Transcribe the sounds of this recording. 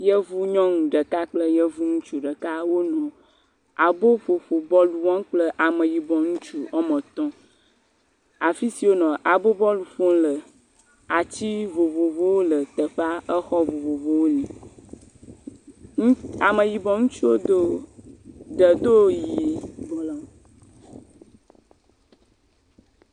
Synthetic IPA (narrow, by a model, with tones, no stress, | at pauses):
jə˦vu˦ɲɔ̃˦ŋũ˨ɖə˨ka˦k͡plə˦jə˦vu˦ŋũ˦t͡ʃu˦ɖə˨ka˦wo˦nɔ̃˨ | a˨bo˦fo˨fo˨bɔ˦lu˨wɔ̃˦ŋ˦k͡plə˦ʔa˨mə̃˨ji˨bɔ˨ŋũ˦t͡ʃu˦ɔ˦mə̃˨t̪ɔ̃˦ | a˨fi˦si˨wo˦nɔ̃˨ʔa˨bo˦bɔ˦lu˨fo˦ŋlə˨ | a˨t͡ɕi˦vo˨vo˨vo˦wo˦lə˨t̪ə˨ɸa˦ʔə˦xɔ˦vo˨vo˨vo˦wo˦nĩ˨˦ | a˨mə̃˨ji˨bɔ˨ŋũ˦t͡ʃu˦wo˦d̪o˦ | ɖə˨d̪o˦jji˨blɔ˨